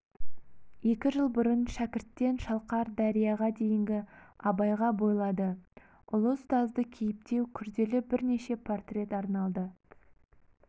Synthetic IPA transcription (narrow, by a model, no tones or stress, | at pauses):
je̞kʲɪʒəlˠbʊɾənʃækʲɪɾt̪ːe̞nʃɑlˠqɑɾd̪ɑɾijɑʁɑd̪e̞jɪŋɡʲɪɑbɑjʁɑbo̞jlˠɑd̪ə | ʊlˠəst̪ɑzd̪əkʲʰe̞jɪp̚t̪e̞wkʲʰʏɾd̪e̞lɪbɪɾne̞ʃe̞pʰo̞rt̪rʲe̞t̪ɑɾnɑlˠd̪ə